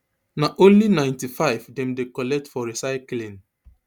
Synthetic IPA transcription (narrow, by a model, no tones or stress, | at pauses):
naʔõnlinãɪ̃ntifaɪvdɛ̃mdekɔlɛk̚tfɔɹisaɪklĩn